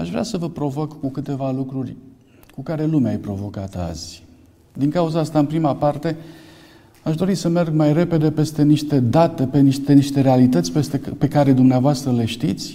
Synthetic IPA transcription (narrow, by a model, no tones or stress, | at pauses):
aʃvɾʲasəvəpɾo̞vokkukɨt̪e̞valukɾurʲ | kukaɾe̞lumeajpɾo̞vo̞kat̪a̰zʲ | d̪iŋkauzaast̪aɨmpɾimapart̪e̞ | aʃd̪o̞ɾisəme̞rɡmajre̞pe̞d̪e̞pe̞st̪e̞niʃt̪e̞d̪at̪e̞peniʃt̪eniʃt̪e̞ɾealit̪ət̪sʲespe̞kaɾe̞d̪umneavoast̪ɾəle̞ʃt̪it̪sʲ